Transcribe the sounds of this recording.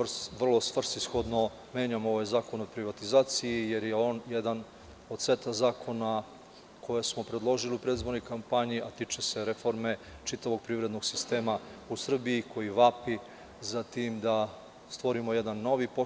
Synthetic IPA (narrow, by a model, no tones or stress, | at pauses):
rsʋr̩lˠo̞sʋr̩st̪isxo̞d̪no̞ | mjeːɲamo̞ʋajzaːko̞nopɾiʋat̪izaːt̪sijije̞ɾje̞o̞ːnjed̪an | od̪se̞t̪azaːkʰo̞na | kʰo̞jesmo̞pɾed̪lˠo̞ʒiliupɾed̪izboɾnojkampaɲiʔat̪it͡ʃese̞ɾefo̞ɾme̞t͡ʃit̪aʋo̞ɡ̚pɾivɾe̞d̪noɡ̥sist̪e̞ːma | usr̩biiko̞jiʋapi | zat̪iːmd̪a | st̪ʋo̞ɾimo̞je̞d̪anːo̞ʋipo